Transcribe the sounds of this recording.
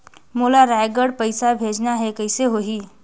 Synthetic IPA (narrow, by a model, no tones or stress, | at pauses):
moːlaɾaːɪɡəɽpəɪsabʱeːd͡ʒnaɦɛkəɪseɦoɦiː